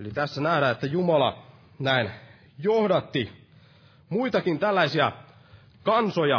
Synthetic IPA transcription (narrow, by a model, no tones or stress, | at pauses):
elit̪æsːænæhdæet̪ːæjumɑlɑ̰ | næin | johdɑt̪ːi | muit̪ɑkint̪ælːæisiæ | kɑnsojɑ